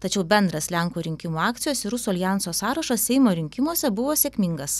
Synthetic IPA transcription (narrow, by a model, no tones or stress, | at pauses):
t̪ɐt͡ʃʲɛʊbʲɛnd̪ɾɐslʲæˑŋkuːɾʲɪŋʲkʲɪmuːɑːk̚t̪sʲɪjoːsɪɾʊsuɐlʲɪjæˑnsoːsɑːɾɐʃɐsʲsʲɛɪmoːɾʲɪŋʲkʲɪmuɔsʲɛbʊʋoːsʲeːkʲmʲɪŋɡɐs